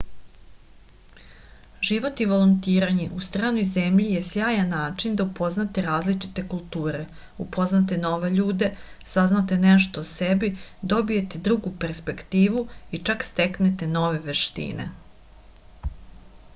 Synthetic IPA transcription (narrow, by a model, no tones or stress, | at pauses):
ʒiʋo̞t̪iʋo̞lˠont̪iːɾaɲeʔust̪ɾaːnojzemʎije̞sjaːjanːaːt͡ʂind̪aupʰo̞znat̪eɾaːzlit͡ʃi̥t̪e̞kulˠt̪uːɾe̞ | upʰo̞znat̪̬e̞no̞ʋe̞ʎuːd̪e̞ | saznat̪eneʃt̪osebid̪o̞bije̞t̪ed̪ɾuɡupe̞ɾspe̞kt̪iːʋuit͡ʃakst̪eknet̪e̞no̞ʋe̞ʋeʃt̪ḭnḛ